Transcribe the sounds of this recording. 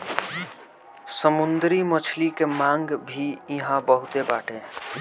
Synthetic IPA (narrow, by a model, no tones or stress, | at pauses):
səmund̪ɾimət͡ʃʰlikemãŋɡbʱiiɦãbəɦut̪ebaːʈe